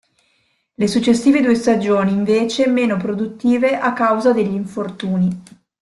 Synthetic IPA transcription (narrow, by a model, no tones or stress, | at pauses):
lesut͡ʃːesːiːved̪uːest̪ad͡ʒoːniːɱveːt͡ʃemeːnopɾod̪ut̪ːiːveʔakːawzad̪eʎːiɱfort̪uːni